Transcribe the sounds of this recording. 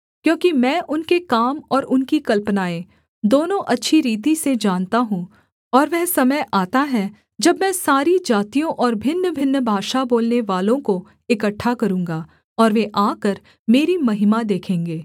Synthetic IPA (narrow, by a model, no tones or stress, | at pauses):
kjõːkimɛ̃ːʔʊnkekaːmɔːɾʊnkikɐlpnaːẽ | d̪oːnõʔɐtːʃʰiɾiːt̪ised͡ʒaːnt̪aɦũː | ɔːɾʋɛɦsɐməjʔaːt̪aɦɛ | d͡ʒɐbmɛ̃saːɾid͡ʒaːt̪ijõʔɔːɾbʱɪnːbʱɪnːəbʱaːʃaboːlneʋaːlõko | ɪkəʈʰːakɐɾũːŋɡaː | ɔːɾʋeʔaːkəɾ | meːɾimɐɦɪmad̪eːkʰẽːŋɡeː